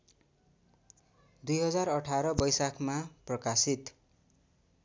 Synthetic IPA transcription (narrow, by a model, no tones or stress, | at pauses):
d̪ujɦʌd͡zarʌʈʰaɾʌbʌjsakʰmaprʌkasit̪